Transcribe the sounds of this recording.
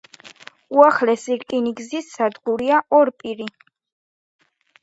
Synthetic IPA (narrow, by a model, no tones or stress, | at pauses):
uaχlɛsiɾkʼiniɡzisːad̪ɡuɾiaʔɔɾpʼiɾi